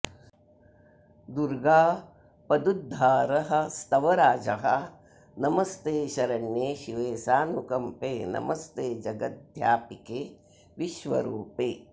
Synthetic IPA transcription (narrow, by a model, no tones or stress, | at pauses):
d̪uɾɡaː | pɐd̪ud̪ʱːaːɾɐɦɐ̆st̪ɐʋɐɾaːd͡ʒɐɦɐ | nɐmɐst̪eːʃɐɾɐɳjeːʃiʋeːsaːnukɐmpeːnɐ̰mʔɐst̪eːd͡ʒɐɡɐt̪̚d̪ʱjaːpikeː | ʋiʃʋɐ̰ɾuːpeː